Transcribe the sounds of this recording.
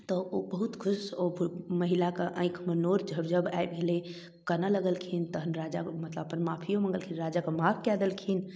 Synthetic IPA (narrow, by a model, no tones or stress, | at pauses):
t̪ɔobəɦut̪kʰʊsobʱməɦilakeʔə̃ɪ̃kʰmenoɾd͡ʒʱəbd͡ʒəbajbɡʱele | kənaləɡəlkʰint̪əɦənɾad͡ʒamət̪ləbpənmapʰijõmə̃ŋɡəlkʰinɾad͡ʒakəmapʰkɛd̪əlkʰin